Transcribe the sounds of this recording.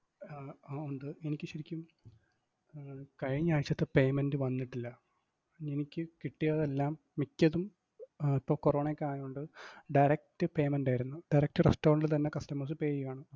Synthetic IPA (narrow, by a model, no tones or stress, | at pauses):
oɳɖɨenikʲːɨɕɐɾikʲːum | kɐɻiɲːaːɻit͡ɕːɐt̪ːepe̞jmendɨʋɐnːiʈːilːɐ | enikʲːɨkiʈːijɐðe̞lːaːmːikʲːɐðum | ipːɐːkoro̞ːɳeːkʲːaːnoɳɖɨɖɐjɾɐk̚tɨpe̞jmenɖaːjiɾunːuɖɐjɾɐk̚tɨrestoːrɳɖlt̪ɐnːe̞kɐstɐmɐrs̬ɨpe̞ːjijaːɳɨ